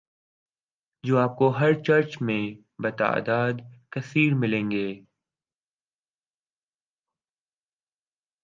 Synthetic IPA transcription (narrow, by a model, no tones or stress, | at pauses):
d͡ʒoːaːp̚koɦɐɾt͡ʃɐɾt͡ʃmẽ | bɐt̪a̰ːd̪aːd̪kɐsiːɾmɪlẽːŋɡeː